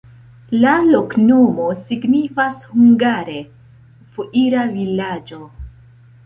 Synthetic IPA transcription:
lalo̞kno̞mo̞siɡnifashuŋɡaɾe̞ | fuʔiɾavilad͡ʒo̞

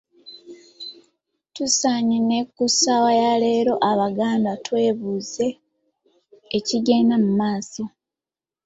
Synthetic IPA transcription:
tusaɲine̞kːusawajale̞ːɾo̞ʔaβaɡaːndatwe̞ːβuːze̞ | ciɡe̞ːnamumaːso

